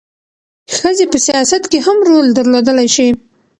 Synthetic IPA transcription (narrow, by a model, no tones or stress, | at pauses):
xəzepəsijɑsat̪keɦamɾold̪əɾlod̪əlajʃi